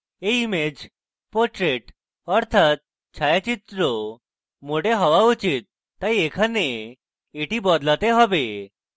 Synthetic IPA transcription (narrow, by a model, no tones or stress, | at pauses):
eimed͡ʑ | pɔɾʈɾeʈ | ɔɾt̪ʰat̪̚ | t͡ɕʰajat͡ɕit̪ɾo | moɽeɦɔʋaut͡ɕit̪̚ː | ajekʰaneː | ʈibɔd̪lat̪eɦɔbe